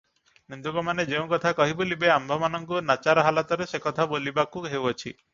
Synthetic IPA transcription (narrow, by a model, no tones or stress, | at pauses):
nind̪ukɔmaned͡ʒeũkɔt̪ʰakɔɦibolibeambʱɔmanɔŋkunat͡ʃaɾɔɦalat̪ɔɾesekɔt̪ʰabolibakuɦewɔt͡ʃʰḭ